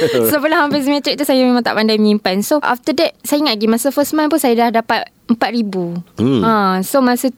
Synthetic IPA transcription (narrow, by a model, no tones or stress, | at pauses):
sopəlahɦãmfis̬imɛ̃t̪ɾik̚t̪usajamẽmãŋt̪a̰ʔpandajməɲimpansoʔa̰ft̪ədɛt̪̚sajaŋaʔɡimasəfəsmãnpunsajadahdapat̪̚ | əmpat̪̚ɾibuãsomãsə